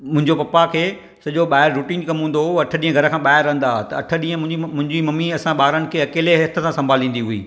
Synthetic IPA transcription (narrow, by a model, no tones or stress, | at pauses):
mʊ̃ɦɪ̃ɲd͡ʑopɐpakʰeː | sɐʄoɓaːɪɾːuːʈiːnkɐmɦũːn̆d̪oɐʈʰə̆ɗĩːə̃ɡʱɐɾəkʰãːɓaːɪɾːɐ̃ɦə̃nd̪aːt̪ɐɐʈʰə̆ɗĩːə̃ʊ̃ɦɪ̃ɲd͡ʑimɐmːiɐsãɓaːɾənɪ̆kʰeːɐkeːleɦeːt̪ʰə̆sãsɐ̃mbʱaːlĩːnd̪iɦuḭː